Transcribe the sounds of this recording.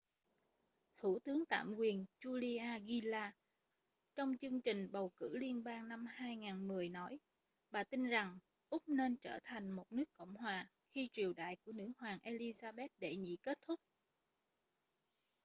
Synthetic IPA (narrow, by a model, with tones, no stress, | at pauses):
t̪ʰṵ˧˩t̪ɨ˨˦əŋt̪a̰ː˧˨mkwi˨˩ənt͡ɕu˧li˧ʔaː˧ɣi˧laː˧ | t͡ɕɔ˧wŋ͡mt͡ɕɨ˧əŋt͡ɕï˨˩ŋ̟ɓə˨˩wkɨ̰˧˥li˧ənɓaː˧ŋna˧mhaː˧jŋaː˨˩nmɨ˨˩əjnɔ˨˦j | ɓaː˨˩t̪i˧nza˨˩ŋ | ʔʊ˦˥k͡p̚ne˧nt͡ɕəː˧˩t̪ʰa˨˩jŋ̟mo˨˩t̚nɨ˦˥əkːə̰˧˨wŋ͡mhwaː˨˩ | xi˧t͡ɕi˨˩əwɗa̰ː˧˨jku˧˩ənɨ̰˧˥hwaː˨˩ŋʔe˧li˧zaː˧ɓɛ˦˥t̚ɗe˧˩ɲḭ˧˨ke˦˥t̚t̪ʰʊ˦˥k͡p̚